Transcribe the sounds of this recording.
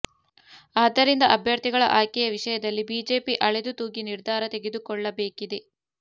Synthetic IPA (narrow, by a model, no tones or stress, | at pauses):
aːd̪ɐɾind̪ɐʔɐbʱjɐɾt̪iɡɐɭɐ̰ʔaːjkɛjɐʋiʂɐjɐd̪ɐlːibiːd͡ʒe̞ːpiʔɐɭed̪ut̪uːɡiniɾd̪ʱaːɾɐt̪e̞ɡed̪ukɔɭːɐbeːkid̪e